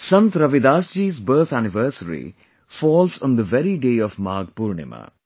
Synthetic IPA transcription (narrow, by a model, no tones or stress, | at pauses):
sɐ̃nt̪ɾɐʋid̪aːsʈiːzbəɾt̪ʰænɪʋəːɾsəɾḭ | fɔːlsɔ̃nd̪əʋɛɾiɖeːɔʋmaːɡ̚puɾɳḛma̰